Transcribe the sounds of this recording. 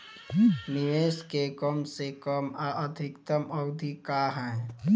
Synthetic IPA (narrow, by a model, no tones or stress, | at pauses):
nɪʋeːskekəmsekəmaʔəd̪ʱɪkt̪əmɐʊd̪ʱikaːɦɛ̃ː